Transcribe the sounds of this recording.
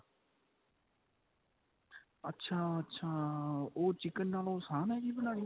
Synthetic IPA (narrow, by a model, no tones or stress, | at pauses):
ətːʃʰaːətːʃʰaːoːt͡ʃɪkənːaːlõːsãːnɛːkiːbəlaːiː